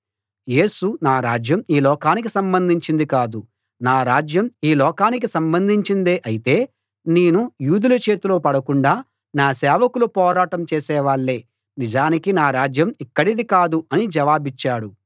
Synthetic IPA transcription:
je̞ːsunaːɾaːd͡ʒjɐmiːlɔːkaːnik̬isɐmbɐnd̪ʱiɲt͡ʃind̪ikaːd̪u | naːɾaːd͡ʒjɐmiːlɔːkaːnik̬isɐmbɐnd̪ʱiɲt͡ʃind̪eːʔɐjit̪e̞ː | neːnujuːd̪ulɐt͡ʃe̞ːt̪ulo̞ːpɐɽɐkuɳɖaː | naːsɛːʋɐkulupɔːɾaːʈɐmt͡ʃeːsɛːʋaːɭːe̞ː | nid͡ʒaːnikinaːɾaːd͡ʒjɐmikːɐɽid̪ikaːd̪uɐnid͡ʒɐʋaːbit͡ʃːaːɽu

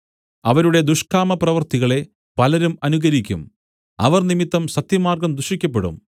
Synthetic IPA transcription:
ɐʋɐɾuɽe̞d̪uʂkaːmɐprɐʋɐrt̪iɣɐɭe̞ | pɐlɐɾumɐnuɣɐɾikʲːṵm | ɐ̰ʋɐrnimit̪ːɐmsɐt̪jɐmaːrɡɐmd̪uʂikʲːɐp̬ːe̞ɽṵm

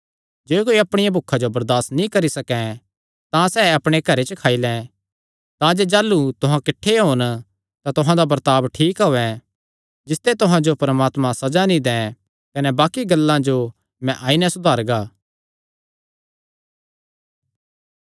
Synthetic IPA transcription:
d͡ʒeːkoːiɐpɽ̃ɪjãbʱʊkʰːad͡ʒobɐɾd̪aːsnĩkɐɾisɐkɛ̃ | t̪ãsɛːɐpɽ̃ekɐɾet͡ʃəkʰaːilɛ̃ | t̪ãd͡ʒed͡ʒaːlːut̪ʊɦãkɪʈʰːeɦoːn | t̪ãt̪ʊɦãd̪abɐɾt̪aːbʈʰiːkɦoːɛ | d͡ʒɪst̪et̪ʊɦãd͡ʒopɾəmaːt̪mãsɐd͡ʒanĩd̪ɛ̃ː | kɐnɛbaːkiɡɐlːãd͡ʒo | mɛ̃ʔaːinɛsʊd̪ʱaːɾɡaː

